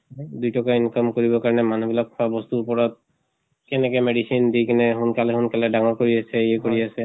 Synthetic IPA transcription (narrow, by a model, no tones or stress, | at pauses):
d̪ujtɔkainkɔmkoɹibɔkaɹɔnɛmanubilakʰːɔabɔst̪uupɔɹɔt̪̚ | kɛnɛkɛmeɖisind̪ijkinɛɦunkalɛhunkalɛdaŋɔɹkoɹiasɛɛkoɹiasɛ